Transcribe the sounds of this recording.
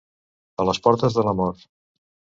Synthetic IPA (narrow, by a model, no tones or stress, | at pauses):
ələspɔɾt̪əzðələmɔɾt̪